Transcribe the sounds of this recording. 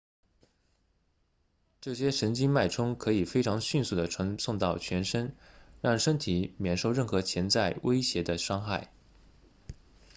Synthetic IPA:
ʈ͡ʂɤ˥˩ɕjɛ˥ʂə˧˥nt͡ɕi˥ŋma˥˩ɪʈ͡ʂʰʊ˥ŋkʰɤ˧˥i˨˩fe˥ɪʈ͡ʂʰɑ˧˥ŋɕy˥˧nsu˥˩d̪ə˩ʈ͡ʂʰɤ˧˥ŋsʊ˥˧ŋt̪ɑ˥˩ʊt͡ɕʰɥɛ˧˥nʂə˥nɻɑ˥˩ŋʂə˥nt̪ʰi˨˥mjɛ˧˥nʂo˥˧ʊɻə˥˩nxɤ˧˥t͡ɕʰjɛ˧˥nt͡sa˥˩ɪwʔe˥ɪɕjɛ˧˥d̪ə˧ʂɑ˥ŋxa˥˩ɪ

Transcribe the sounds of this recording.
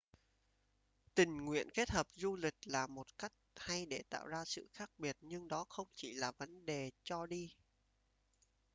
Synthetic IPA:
t̪ï˨˩ŋ̟ŋwḭ˧˨ənke˦˥t̚həː˨˩p̚zu˧lï˨˩k̟̚laː˨˩mo˨˩t̚ka˦˥jk̚ha˧jɗe˧˩t̪a̰ː˧˨wzaː˧sɨ̰˧˨xaː˦˥k̚ɓi˨˩ət̚ɲɨ˧ŋɗɔ˨˦xə˧wŋ͡mt͡ɕi˧˩laː˨˩və˨˦nɗe˨˩t͡ɕɔ˧ɗi˧

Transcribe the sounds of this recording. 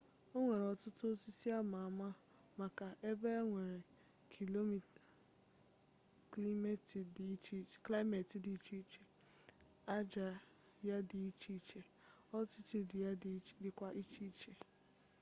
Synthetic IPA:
o˦ŋʷe˨ɾɔ˨tʊ˦tʊ˦si˦si˦a˦ma˨a˨ma˦ | ma˨ka˨ʔe˦be˦ŋʷe˨ɾe˨ | kʰi˨lo˦mi˨ta˨ | kli˦me˨tt͡ʃkla˦me˨tɪ˨di˨˦t͡ʃi˦t͡ʃe˨ | a˦d͡ʒa˨ | ja˦dɪ˨i˦t͡ʃi˦t͡ʃe˨ | ɔ˦tʊ˦tɪ˦dɪ˨ja˦ddɪ˨kʷa˨ʔi˦t͡ʃi˦t͡ʃe˨

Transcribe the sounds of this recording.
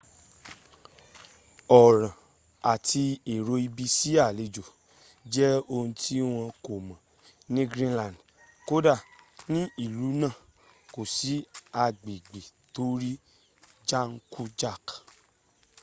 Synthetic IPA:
ɔ˨ɾ̃ã˨ | a˨tʰi˧e˨ɾo˧i˧bi˧si˦a˦˨le˧d͡ʒo˨ | d͡ʒɛ˦o˧ũ˧tʰi˦w̃ɔ̃˧ko˨mã˨ | nĩ˦ɡɾĩ˦lã˦˨n˨d | ko˦da˦˨nĩ˦i˦˨lu˨˦nã˦˨ | ko˨si˨˦a˧ɡ͡be˨ɡ͡be˨to˦ɾi˦ | d͡ʒa˦ŋ̩˦ku˦d͡ʒa˦˨k

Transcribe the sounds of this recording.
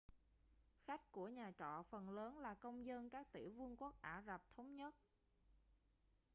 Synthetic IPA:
xa˦˥jk̟̚ku˧˩əɲaː˨˩t͡ɕɔ̰˧˨fə˨˩nləː˨˦nlaː˨˩kə˧wŋ͡mzə˧nkaː˦˥k̚t̪i˧˩vɨ˧əŋku˦˥ək̚ʔaː˧˩˥za˨˩p̚t̪ʰə˨˦wŋ͡mɲə˦˥t̚

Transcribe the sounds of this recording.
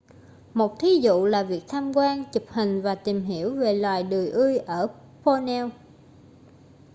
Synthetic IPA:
mo˨˩t̚t̪ʰi˨˦zṵ˧˨laː˨˩vi˨˩ək̚t̪ʰaː˧mkwaː˧nt͡ɕɨ˨˩p̚hï˨˩ŋ̟vaː˨˩t̪i˨˩mɦi˧˩˦əwve˨˩lwaː˨˩jɗɨ˨˩əjʔɨ˧jʔəː˧˩ | po˧nɛ˧w

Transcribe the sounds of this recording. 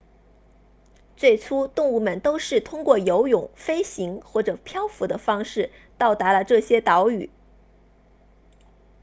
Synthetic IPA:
t͡swe˥˩ɪʈ͡ʂʰu˥t̪ʊ˥˧ŋu˥˩mə˩nt̪o˥ʊʂɻ̩˥˩t̪ʰʊ˥ŋkwɔ˥˩jo˧˥ʊjʊ˨˩˦ŋfe˥ɪɕi˧˥ŋxwɔ˥˩ʈ͡ʂɤ˨˩pʰjɑ˥ʊfu˧˥d̪ə˧fɑ˥ŋʂɻ̩˥˩ | t̪ɑ˥˩ʊt̪a˧˥lə˧ʈ͡ʂɤ˥˩ɕjɛ˥t̪ɑ˧˥ʊy̰˨˩˦

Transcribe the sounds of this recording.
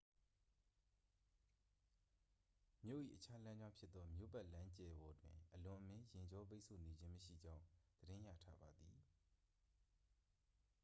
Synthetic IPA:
mjo̰˦˨ʔḭ˦˨ʔət͡ɕʰa˦lã˦ɲd͡ʑã˦ʊ̃pʰjɪ˦t̪t̪ːɔ˦mjo̰˦˨bɛ˦ʔlã˦t͡ɕɛ˨bɔ˨ʔətwɪ̰̃˨ʔəlʊ̃˨ʔəmɪ̃˦jɪ̃˨ɲd͡ʑɔ˦pe˦ɪʔsʰo̰˦˨ne˨d͡ʑɪ̃˦məʃḭ˦˨d͡ʑã˦ʊ̃d̪̥əɾɪ̃˦ja̰˦˨tʰa˦ba˨d̪i˨

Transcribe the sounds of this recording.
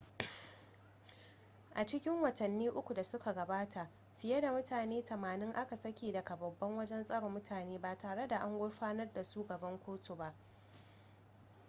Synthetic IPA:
ʔa˨t͡ʃɪ˦kʲɪ˦ŋwɐ˨tɐ˨nːiː˦ʔʊ˦kʷu˨da˨sʊ˦ka˨ɡɐ˨baː˦tʰa˨ʔ | ɸɪ˨je˦da˨mʊ˦taː˨neː˦tɐ˨maː˨nɪ˦ŋʔa˦ka˨sɐ˦kʲeː˨dɐ˨ka˨bɐ˨bːɐ˦ŋwɐ˦d͡ʒɛ˦nsʼɐ˦ɽɐ˨mːʊ˦taː˨neː˦baː˨taː˨ɽe˦da˨ʔa˦ŋɡʷʊ˦ɽɸaː˦nɐ˦rda˨ʃuː˦ɡɐ˨bɐ˦ŋkʷoː˦to˨ba˦ʔ

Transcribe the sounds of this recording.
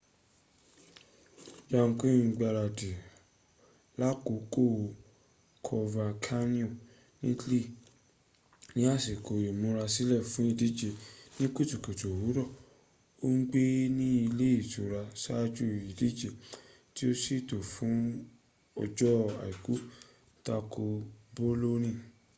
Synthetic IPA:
d͡ʒa˧ŋ̩˧kũ˦i˦˨˧ɡ͡ba˧ɾa˧di˨ | la˦ko˨˦ko˦˨ | kʰɔ˧va˧kʰa˦nĩ˦o˦˨ | nḭ̃˦tli˦˨ | nĩ˦a˦˨si˨ko˨e˨mũ˨˦ɾa˧si˦lɛ˦˨fũ˨˦i˦˧˨di˨˦d͡ʒe˧nĩ˦ku˦˨tu˨ko˨to˨wu˨˦ɾɔ˦˨ | o˦ŋ̩˦ɡ͡be˦nĩ˦i˧le˦i˦˨tu˨ɾa˧sa˦˧˦d͡ʒu˧˦˨i˨di˨˦d͡ʒe˧ | ti˦o˦si˦˨to˨fũ˨˦ | ɔ̰˧d͡ʒɔ˦a̰˨i˨ɡu˨˦ | ta˧kʰo˧bo˦lo˦nĩ˦˨

